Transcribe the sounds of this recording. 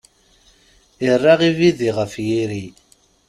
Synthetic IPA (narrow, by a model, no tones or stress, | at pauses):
irˤːɑʁiviðiʁəfjiɾi